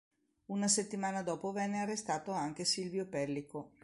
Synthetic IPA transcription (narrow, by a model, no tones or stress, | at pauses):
unaset̪ːimaːnad̪ɔːpovɛnːearːest̪aːt̪oaŋk̟esilvjopɛlːiko